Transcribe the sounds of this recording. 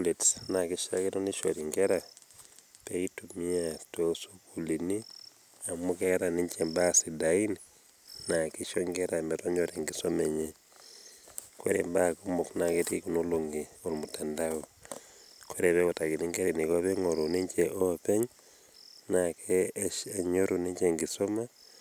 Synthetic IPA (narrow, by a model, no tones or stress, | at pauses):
ulitsnakiʃa̰kinoniʃo̰ɾiŋɡeɾa | peitumiatosukulini | amukɛɾaniɲt͡ʃembasidain | nakiʃoŋɡeɾamɛtɔɲd͡ʒɔteŋɡisomeɲe | koɾḛmbakumuknaketikunoloŋɡiolmutandau | kʰoɾepekotakiniŋɡeɾinikopeŋoɾunint͡ʃeʔopeɲ | nakʰɛʃaɲoɾuniɲt͡ʃeŋɡisoma